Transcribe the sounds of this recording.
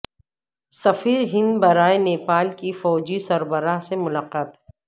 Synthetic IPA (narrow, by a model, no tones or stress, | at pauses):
sɐfiːɾɦɪ̃nd̪bɐɾaːeneːpaːlkifɔːd͡ʒisɐɾbəɾaɦsemʊlaqaːt̪